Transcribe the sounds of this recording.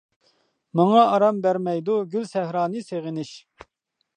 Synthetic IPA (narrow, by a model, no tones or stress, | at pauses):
mɑŋɑɑɾɑmbæɾmɛjd̪uɡʲylsɛhɾɑːnɨseʁɪnɪʃ